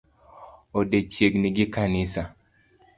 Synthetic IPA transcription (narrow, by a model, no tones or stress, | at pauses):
odet͡ʃjeɡnɪɡɪkanɪsa